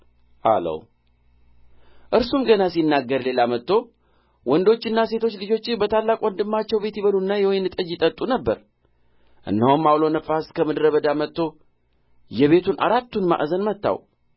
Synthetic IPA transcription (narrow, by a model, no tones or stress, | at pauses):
ʔa̰lə̰w | ʔɨɾsumɡənasinːaɡːəɾle̞lamət̪ːo̞ | wɔnd̪o̞t͡ʃːɪnːase̞t̪ʰo̞t͡ʃːlɨd͡ʒo̞t͡ʃːɪbət̪ʰalːakʼwɔnd̪ɨmːat͡ʃːɛwbe̞t̪jiβəlunːajɛwojnɨt̪ʼəd͡ʒɪt̪ʼət̪ʼunəbːə̰ɾ | ʔɨ̰nːəhomːawlo̞nəfːaskʰəmɨd̪ɾəbəd̪amət̪ːo̞ | jɛβe̞t̪ʰunʔa̰ɾat̪ːunma̰ʔzənmət̪ːa̰w